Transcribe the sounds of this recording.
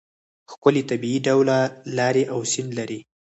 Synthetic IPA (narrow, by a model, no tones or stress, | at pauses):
xkʊlet̪abiiɖawlalɑɾeʔawsɪnlaɾi